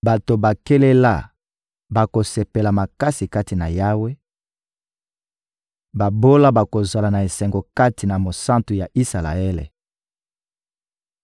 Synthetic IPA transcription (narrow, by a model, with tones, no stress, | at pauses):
ba˨to˨ba˨ke˦le˦la̰˦˨ | ba˨ko˨se˨pe˨la˨ma˨ka˦si˨ka˦ti˨na˨ja˦we˦ | ba˨bo˦la˦ba˨ko˨za˨la˨na˨e˨sɛ˨ŋɡo˨ka˦ti˨na˨mo˨sã˦ntu˨ja˨ʔi˦sa˨la̰˨ɛ˦lḛ˨